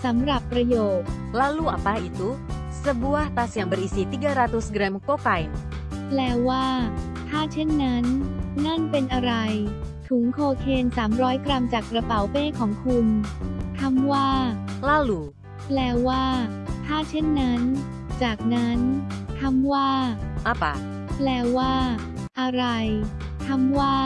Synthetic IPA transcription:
sa˩˦mɾa˨˩pːɾa˧joː˨˩t̪̚laː˥luː˥˨ʔa˨pa˧ʔi˨˩t̪u˧˦ | sə˧bu˧əht̪aː˧si˨˩ə˦ŋbə˨˩ʔi˨si˨˦t̪iː˦˥˩ɡa˧˦ɾa˧t̪u˧sɡɾɛ˧mko˥˩ka˧jn | lɛː˦˥wwaː˥˩ | t̪ʰaː˥˩t͡ɕʰe˥˩nːa˦˥nːa˥˩npe˧nʔa˧ɾa˧jt̪ʰu˩˦ŋkʰoː˧kʰeː˧nsaː˩˦mɾɔː˦˥jkɾa˧mt͡ɕaː˨˩kːɾa˧pa˩˦wpeː˥˩kʰɔː˩˦ŋkʰu˧nt̪ʰa˧mwaː˥˩laː˥˩luː˩˦ | plɛː˧˥wwaː˥˩ | t̪ʰaː˥˩t͡ɕʰe˥˩nːa˦˥n | t͡ɕaː˨˩k̚na˦˥nt̪ʰa˧˥mwaː˥˩ʔa˧˥˩pa̰˨˧˩ | plɛː˧˥wwaː˥˩ | ʔa˧ɾa˧j | t̪ʰa˧mwaː˥˩

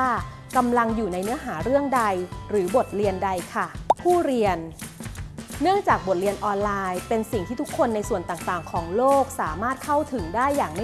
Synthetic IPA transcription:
ka˧mla˧ŋjuː˨˩na˧jnɯ˦˥ɐɦaː˩˦ɾɯ˥˩əŋda˧jɾɯː˩˦bo˨˩t̪̚ɾi˧ənda˧jkʰa˥˩pʰuː˥˩ɾi˧ən | ɯ˥˩əŋt͡ɕaː˨˩k̚bo˨˩t̪̚ɾi˧ənʔɔː˧nlaː˧jpe˧nsi˨˩ŋt̪ʰiː˥˩t̪ʰu˦˥kʰːo˧nːa˧jsu˨˩ənt̪aː˨˩ŋt̪aː˨˩ŋkʰɔː˩˦ŋloː˥˩k̚saː˩˦maː˥˩t̪̚kʰa˥˩wt̪ʰɯ˩˦ŋdaː˥˩jːaː˨˩ŋma˥

